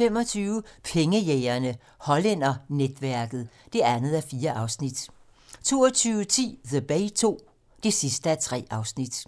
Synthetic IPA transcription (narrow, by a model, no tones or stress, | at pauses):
fem̰ɒ̽t͡sʰyːʊəpʰeŋəjeɪɐnə | hɒ̽len̰ɐned̥ʋæɐɡ̥ð̞̩ˠ | d̥e̝ænð̞̩ˠæɐfiːɐʔɑ̈ʊsnid̥ | t͡sʰo̝̰ːɒt͡sʰyːʊət͡sʰḭːðeb̥ɛɪt͡sʰo̝̰ː | d̥e̝sisd̥əæɐt͡sʰʁɛ̰ːɑ̈ʊsnid̥